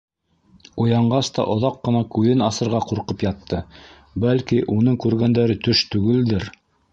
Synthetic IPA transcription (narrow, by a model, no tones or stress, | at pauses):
ujɑɴɢɑst̪ɑ̰ʔŏðɑqːɤ̆nɑkʉðɘnɑsɤ̆ɾʁɑquɾqɤpjɑt̪ːɤ | bælkiʔunɤŋkʉɾɡænd̪æɾɘt̪ɵʃt̪ʉɡɘld̪ɘɾ